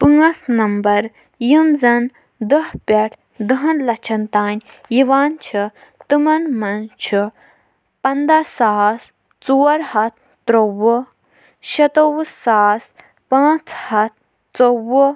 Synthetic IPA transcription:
pɨŋɡɐsnɐmbɐɾ | jimzɐn | d̪ɐɦpʲɐʈʰ | d̪ɐɦɐnlɐt͡ʃʰɐnt̪aːnʲ | jiʋaːnt͡ʃʰi | t̪ɨmɐnmɐnt͡ʃʰi | pɐnd̪asaːs | t͡soːɾhɐt̪̚ʰ | t̪ɾowə | ʃɐt̪owsaːs | pãːt͡shɐt̪̚ʰ | t͡sowə

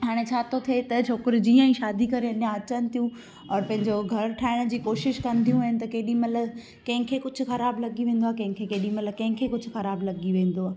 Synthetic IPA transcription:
ɦaːɽ̃et͡ɕʰaːt̪ʰot̪ʰiet̪ɐt͡ɕʰoːkɪɾd͡ʑĩːɛ̃ĩːʃaːd̪ikɐɾeɐɗjãɐt͡ɕənɪ̆t̪ʰijũ | ɔːɾpɐ̃ɦɪ̃ɲd͡ʑoɡʱɐɾʈʰaːɪɽ̃d͡ʑiːkoːʃɪʃkɐ̃nd̪ʱijũaːɦɪnɪ̆t̪ɐkeːɗĩmɐt̪ləb | kɐ̃ɦɪ̃kʰeːkʊd͡ʑʱʊ̆xɐɾaːblɐɠiʋẽːnd̪oaːekɐ̃ɦɪ̃kʰekeːɗĩmɐt̪ləbkɐ̃ɦɪ̃kʰeːkʊd͡ʑʱʊ̆xɐɾaːblɐɡiʋẽːn̆d̪oaː

